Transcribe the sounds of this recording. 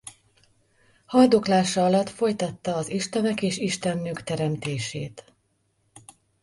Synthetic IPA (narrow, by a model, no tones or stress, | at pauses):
hɒjd̪oklaːʃɒɒlɒt̪fo̞jt̪ɒt̪ːɒːziʃt̪ɛnɛkeːʃiʃt̪ɛnːøːkt̪ɛɾɛmt̪eːʃeːt̪